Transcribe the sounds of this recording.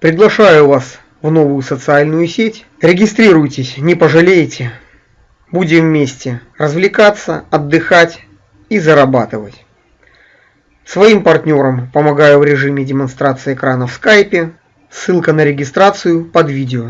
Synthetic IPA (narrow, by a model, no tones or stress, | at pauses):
pɾʲɪɡlˠɐʂajʊvas | vno̞vʊjʊsət̪sɨalʲnʊjʊsʲetʲ | ɾʲɪɡʲɪst̪ɾʲiɾʊjtʲɪsʲnʲɪpəʐɨlʲejɪtʲɪ | budʲɪmvmʲesʲtʲɪ | rəzvlʲɪkat̪sːəɐd̪ːɨxatʲ | izəɾɐbat̪ɨvətʲ | svɐimpɐrtʲnʲo̞ɾəmpəmɐɡajʊvɾʲɪʐɨmʲɪdʲɪmɐnst̪ɾat̪sɨɪːkɾanəfskajpʲɪ | sːɨlˠkənəɾʲɪɡʲɪst̪ɾat̪sɨjʊpɐd̪vʲidʲɪo